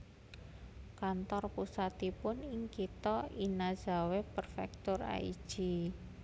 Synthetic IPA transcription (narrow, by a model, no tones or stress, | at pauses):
kant̪ɔrpusat̪ipʊniŋkit̪ɔinaza̤wepərfɛk̚t̪ʊra̰ḭ̥ʒ̥i